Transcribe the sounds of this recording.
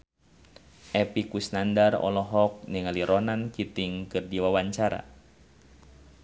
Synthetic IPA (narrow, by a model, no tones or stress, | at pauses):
ʔɛpikusnandarɔ̰lɔɦɔk̚niŋaliɾɔnankit̪iŋkɨrdiwawaɲt͡ʃaɾa̰